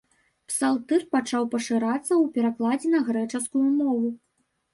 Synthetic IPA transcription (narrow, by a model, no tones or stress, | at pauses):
psalˠt̪ɨrpat͡ʂawpɐʂɨɾat̪sːɐuwpʲɛɾaklˠad͡zʲɛnɐɣɾɛt͡ʂɐskujumɔvu